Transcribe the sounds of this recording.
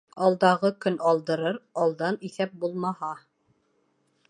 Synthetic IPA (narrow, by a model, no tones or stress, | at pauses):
ɑlˠd̪ɑʁɤkɵnɑlˠd̪ɤ̆ɾɤɾɑlˠd̪ɑniθæp̚bulˠmɑhɑ